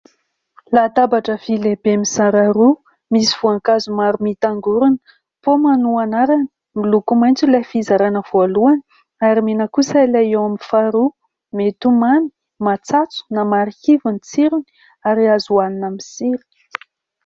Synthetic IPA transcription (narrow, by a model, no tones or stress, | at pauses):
lat̪abaʈ͡ʂəvilebemisaɾaɾu | misiv̥uaŋkazumaɾumit̪aŋɡuɾunə̥ | pomanuanaɾani̥ | milukumajnt͡sulafizaɾanəv̥oluani̥ | aɾimenəkusailaewamifaɾu | met̪umani̥ | mat͡sat͡su̥namaɾihivunit͡siɾin | aɾiazuaninamisiɾi̥